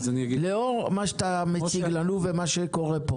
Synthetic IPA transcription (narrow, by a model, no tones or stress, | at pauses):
znileoʁmaʃt̪amet͡siɡlaluvemaʃekoʁepo